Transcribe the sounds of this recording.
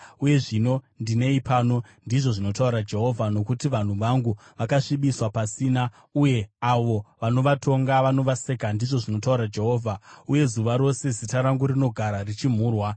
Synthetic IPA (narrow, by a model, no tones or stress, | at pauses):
uje̞ʐino̞ndine̞ipaːno̞ | ndiʐo̞ʐino̞tauɾad͡ʒe̞ɦo̞vʱano̞kutiʋan̤uʋaŋɡuʋakaʂiɓiswapasiːna | uje̞aʋo̞ʋano̞ʋatʰo̞ŋɡaʋano̞ʋase̞kandiʐo̞ʐino̞tauɾad͡ʒe̞ɦo̞ːvʱauje̞zuʋaɾo̞se̞zitaɾaŋɡurino̞ɡʱaɾarit͡ʃim̤uːrwa